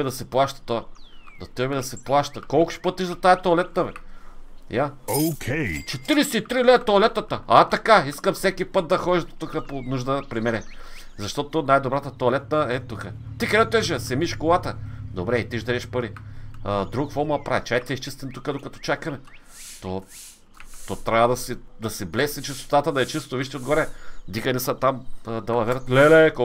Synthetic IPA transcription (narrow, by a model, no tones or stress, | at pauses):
ɛd̪ɐsɛplˠaʃt̪ə̥t̪oɐd̪ot̪ɾibɛd̪ɐsɛplˠaʃt̪əkɔlˠkʊ̥ʃpɤt̪iʒd̪ɐt̪aɛt̪oolɛt̪̚nɐvɛ | jaokʲʰet͡ʃɛt̪iɾisɛit̪ɾilɛt̪oolɛt̪ət̪əat̪ɐkaiskəmfsɛkipɤt̪̚d̪ɐxɔʒit̪ːukəponuʒd̪əpɾimɛnɛ | zɐʃt̪ɔt̪ʊnajd̪obɾat̪ət̪oːlɛt̪̚nəɛt̪ukə | t̪ikɾɛɛt̪ɛʒɐsɛmiʃkolˠat̪əd̪obɾɛit̪iʒd̪ɐɾɛʃpəɾiəd̪ɾukfɔɾmulˠɐpɾavit͡ʃat̪iiʃt͡ʃist̪ɛnt̪ukəd̪okɐt̪ɔ̥t͡ʃakɐmɛ | t̪ɔ | t̪ɔt̪ɾʲavəd̪ɐsɛd̪ɐsɛblɛsnit͡ʃist̪o̥t̪at̪əd̪ɐɛt͡ʃist̪oviʃt̪iod̪ɡoɾɛd̪ikənɛsət̪amd̪ɐlˠɐvɛɾɐt̪lɛlɛk